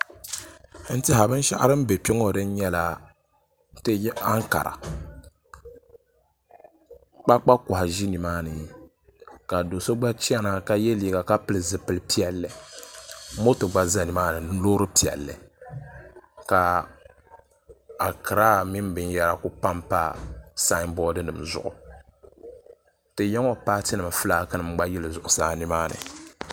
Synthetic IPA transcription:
n̩˦tɨ˦ɦa˨bɨ˦n˦ʃa̰˦ʔa˦ɾɨ˦m˦be˨pi˦ŋo˨dɨ˦n̩˦ɲɛ˦la˨˦ | tɨ˦a˦ŋ˦ka̰˨ɾʔa̰˨ | k͡pa˦k͡pa˦kʊ˨ha˨ʒi˦ni˨maː˦nɨ˨ | ka˨do˨so˦ɡ͡ba˦t͡ʃi˦a˦na˦ka˦jɛ˦liː˨ɡa˨ka˦pɨ˨lɨ˨zɨ˨pɨ˨lɨ˨˦pi˦ɛ˨lːɨ˨ | mo˦tɨ˨ɡ͡ba˦za˦ni˨maː˦nɨ˨˦loː˦ɾɨ˦pi˨ɛ̰˨lːɨ̰˨ | ka˨ | a˨kʰɨ˨ɾaː˦mi˦m˦bɨ˦nja˦ɾa˦kʊ˦pa˦mpa˦sa˦bɔː˦dɨ˦nɨ̰˨mzʊ̰˨ʔʊ̰˨ | tɨ˨jɛ˦ŋo˦paː˦tɨ˦nɨ˨ma˨fɨ˦laː˦kɨ˦nɨ˨m˦ɡ͡ba˦jɛ˦lɨ˨zʊ˨ʔʊ˨saː˦ni˦maː˦nɨ̰˨

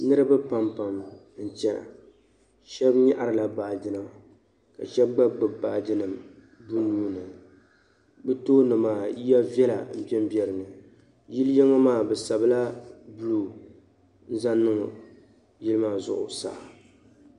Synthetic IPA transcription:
nɨ˦ɾɨ˦bɨ˦pa˨mpa˨m | n̩˨t͡ʃɛ˦˨ | ʃɛ˦bɲa˦ʔa˨ɾɨ˨la˨baː˨d͡ʒɪ˦nɨ˦m | ka̰˨ʃɛ˦bɡ͡ba˦ɡ͡bɨ˨baː˨dɨ˦nɨ˨m | bu˦nuː˦nɨ˨ | bɨ˦toː˦nɨ˨maː˦ji˦ja˦vjɛ˦la̰˨m̩˦˨pɛ˦m˦bɛ˨ɾɨ˨nɨ˨ | ji˦ljɛ˦ŋa˦maː˦˨bɛ˨sa˨bla˦bluː˨ | n̩˦za˦nːɨ˦ŋ˨ | jɪ˦lɨ˦maː˦˨zʊ̰˨ʔʊ̰˨sa̰˦˨

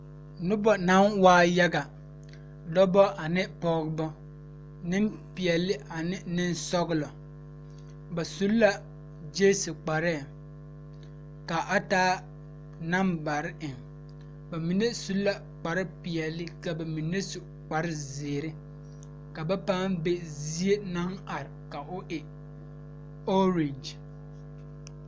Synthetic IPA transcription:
nʊ˦bɔ˨na˦nwaː˦ja˦ɡa˨ | dɔ˦bɔ˦ʔa˨nɪ˦pɔ˦ɡbɔ˦ | nɪ˦mpɪ˨ɛ˨lːɪ˦ʔa˨nɪ˦nɪ˦nsɔ˦ɣɪ˦lɔ˨ | ba˨su˦lla˨ | d͡ʒeː˦su˨k͡pa˨ɾɛ˦˨ | ka˨ʔa˦taː˦ | na˦mba˨ɾɪ˦ʔɪ˨ŋ | ba˨mi˨ne˦su˦lla˨ | k͡pa˨ɾɪ˦pi˨jɛ˨lːɪ˦ka˨ba˨mi˨ne˦sʊ˨ | k͡pa˨ɾɪ˦zɪː˨ɾɪ˦ | ka˨ba˦paː˦mbe˦zi˦e˦na˦ŋa˨ɾɪ˨ka˨ʔʊ˦ʔɪ˨ | o˦ɾe˨nd͡ʒ

